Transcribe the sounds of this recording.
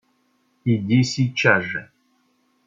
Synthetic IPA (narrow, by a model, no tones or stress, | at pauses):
idʲesit͡ʃaʐ